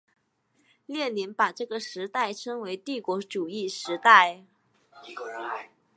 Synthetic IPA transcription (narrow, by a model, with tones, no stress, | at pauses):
ljɛ˥˩nli˧˥npa˨˩ʈ͡ʂɤ˥˩ɡə˩ʂɻ̩˧˥t̪a˥˩ɪʈ͡ʂʰɤ˥ŋwe˧˥ɪt̪i˥˩kwɔ˧˥ʈ͡ʂu˨˩i˥˩ʂɻ̩˧˥t̪a˥˩ɪ